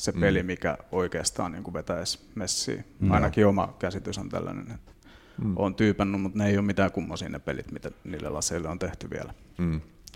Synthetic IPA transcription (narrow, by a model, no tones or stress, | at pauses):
sepelimikæ̰oikeːst̪ɑ̰ːnnḭːŋkuʋet̪æis | mesːḭːɑinɑkiomɑkæsit̪ysont̪æ̰lːæ̰nḛnet̪ | ʔont̪yːpænːymmut̪neeiomit̪æːkumːosḭːnepelḭt̪mit̪æniːlːḛlɑseilːeont̪eht̪yʋḭælæ